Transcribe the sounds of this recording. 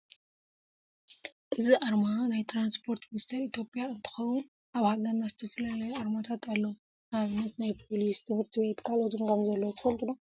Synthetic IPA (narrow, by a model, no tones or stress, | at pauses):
ʔɨziʔaɾmanajt̪ʰɾanspʰoɾt̪minist̪ʰeɾit̪ʰjo̞pʼijaɨnt̪ʰɨ̥xɐwun | ʔaβhaɡɐɾnazɨt̪ʰɐfɐlalɐjuaɾmat̪ʰat̪ʰalːɐwu | naβɨnːɐt̪najpʰolist̪ʰɨmɨɾt̪ʰibe̞t̪kʰalot̪ʰumkʰamzɐlːɐwt̪ʰɨ̥fɐlt̪ʰʼuno